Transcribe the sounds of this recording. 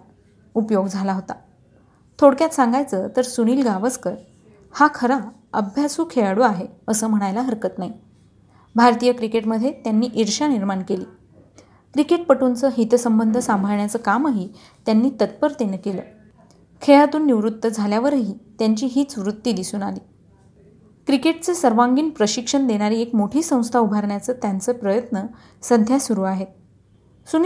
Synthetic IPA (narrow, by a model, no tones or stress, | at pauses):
upjoɡd͡zʱalaɦot̪a | t̪ʰoɽkjat̪sãŋɡajt͡sət̪əɾsuɽ̃iːlɡaʋət͡skəɾ | hakʰəɾa | əbʱjasuːkʰeɭaɽuaɦeəsəːm̤əɽ̃ajlaɦəɾkət̪naɦi | bʱaɾt̪ijəkɾikeʈməd̪ʱːjet̪janːiːʔiɾʂaniɾmaɳkeliː | kɾikeʈ̚pəʈunt͡səːɦit̪səmbənd̪ʱəsambʱaɭɳjat͡səːkaməɦiː | t̪janːiːt̪ət̪̚pəɾt̪enəkelə̰ː | kʰeɭat̪uːnːiʋɾut̪ːəd͡zʱaljaʋəɾɦiːt̪jaɲt͡ɕiːɦiːt͡sʋɾut̪ːiːd̪isuːnaliː | kɾikeʈ̚t͡sesəɾʋaŋɡiːnpɾəɕikʂəɳd̪eɽ̃aɾiːekmoʈʰiːsə̃w̃st̪ʰaubʱaɾɳjat͡səːt̪jant͡səpɾəjət̪nə | səd̪ʱjasuɾuːaɦet̪̚ | sun